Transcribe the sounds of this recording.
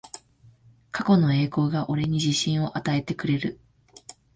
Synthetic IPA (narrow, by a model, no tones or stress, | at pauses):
kʰako̞no̞e̞ːko̞ːɡaʔo̞ɾe̞ɲ̟iʑiɕĩɰ̃o̞ʔat̪ae̞t̪e̞kɯ̟ɾe̞ɾɯ̟